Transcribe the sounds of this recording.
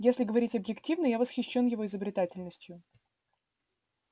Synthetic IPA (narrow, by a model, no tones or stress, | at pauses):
jesʲlʲɪɡəvɐɾʲitʲɐbjɪktʲivnəjavəsxʲɪɕːo̞njɪvo̞ɪzəbɾʲɪt̪atʲɪlʲnəsʲtʲjʊ